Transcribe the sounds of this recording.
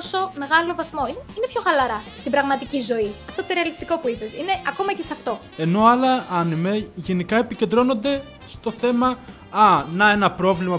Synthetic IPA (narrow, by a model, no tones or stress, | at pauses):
oso̞me̞ɣɐlo̞vɐθmo̞ineine̞pço̞ɣɐlɐɾɐst̪ibɾɐɣmɐt̪icizo̞iɐft̪o̞t̪oɾe̞ɐlist̪iko̞puipe̞sine̞ɐko̞mɐce̞sɐft̪o̞ | e̞no̞ɐlɐɐnimeʝe̞nikɐe̞pice̞nd̪ɾo̞no̞nd̪e̞ | st̪o̞θe̞mɐ | ɐnɐe̞nɐpɾo̞vlimɐ